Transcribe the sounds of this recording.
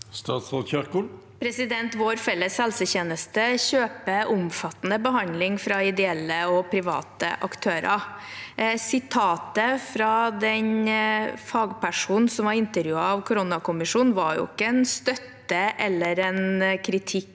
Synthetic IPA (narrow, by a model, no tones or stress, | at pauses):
st̪ɑːt̪sʁot̪çœɾkʊl | pʰɾɛsɪd̪ɛnt̪ʋoːɾfɛlːəshɛlsəçeːnəst̪əçøːpəʔʊmfɑt̪ːnəbəɦɑnd̪lɪŋfɾɑɪd̪ɛɛlːəɔpʰɾɪʋɑ̰ːt̪ə̰ʔɑkt̪ʰøːɾʔɑ̰ | sɪt̪ʰɑːt̪əfɾɑd̪ɛɲ | fɑːɡpæʂuːnn̩sɔmʋɑɾɪnt̪əɾjʉːɑɑʋkʰʊɾɔnɑkʊmɪʂuːnʋɑɾjʊ̰ɪ̰kːəɛnst̪œt̪ːəʔɛlːəɾɛnkʰɾɪt̪ʰɪkː